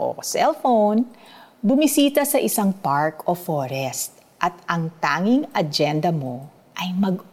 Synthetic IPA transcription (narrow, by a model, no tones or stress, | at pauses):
ʔo̰sɛlfownbʊmisiːt̪ɐsɐʔɪsaŋpaɹkofoːɾɛst̪̚ | ʔɐt̪̚ʔɐŋt̪aːŋɪŋʔɐd͡ʒɛnd̪ɐmo̞ | ʔɐjmɐɡ̚